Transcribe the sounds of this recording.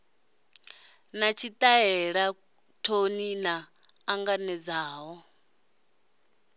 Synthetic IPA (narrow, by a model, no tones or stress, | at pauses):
nat͡ʃʰit̪ʼaɛɺa | tʰoninaː | ŋɡanɛd͡zaːɦɔ